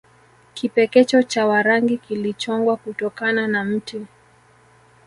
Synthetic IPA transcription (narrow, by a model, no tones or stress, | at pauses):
kipɛkɛt͡ʃɔt͡ʃawaɾaŋɡikilit͡ʃɔŋɡwakutɔkananam̩tu